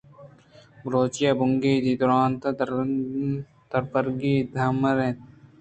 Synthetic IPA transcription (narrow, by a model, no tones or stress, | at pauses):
bɾoːt͡ʃijabʊŋɡeːd̪id̪ʊɾaːnt̪ɐ | t̪ɐɾpɐɾɡiːd̪ʱɐmɾẽt̪